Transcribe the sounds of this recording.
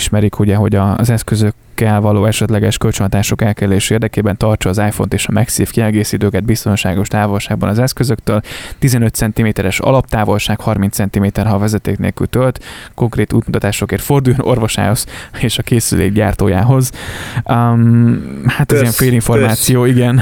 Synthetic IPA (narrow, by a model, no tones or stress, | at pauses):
ʃmɛɾikhuɟɛɦo̞ɟɒzɛskøzø̞kːɛlvɒloːɛʃɛt̪lɛɡɛʃkølt͡ʃønt̪aːʃo̞kɛlkɛɛleːʃeːrd̪ɛkeːbɛnt̪ɒrt͡ʃɒːzaːjfo̞nt̪eːʃɒmɛksiːfkiɛlɡeːsiːt̪øːkɛd̪̚bist̪o̞nʃaːɡo̞ʃt̪aːvo̞lʃaːɡ̚bɒnɒzɛskø̞zø̞kt̪øːlt̪izɛnøt̪sɛnt̪imeːt̪ɛɾɛʃɒ̰lɒp̚t̪aːvo̞lʃaːkhɒrmint̪sɛnt̪imeːt̪ɛrɦɒːvɛzɛt̪ḛːknḛːlkylt̪ølt̪ko̞ŋkreːt̪ṵːt̪mut̪ɒt̪aːʃo̞keːrt̪fo̞rd̪uːjono̞̰rvo̞ʃa̰ːho̞z̥eːʃɒkeːsy̰lḛːɡɟa̰ːrt̪o̰ːja̰ːɦo̞z | mhat̪ɒzijɛɱfeːliɱfo̞rmaːt̪sijoːiɡɛn